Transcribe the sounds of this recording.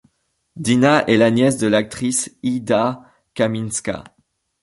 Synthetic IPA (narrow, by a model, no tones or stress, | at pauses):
d̪inaʔɛlanjɛsd̪əlak̚t̪χisid̪a | kaminska̰